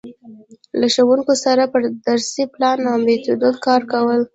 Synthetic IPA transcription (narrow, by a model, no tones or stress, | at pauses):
laʃawuŋkosaɾapəɾd̪aɾsiplɑnawmbet̪ud̪od̪kɑɾkawəl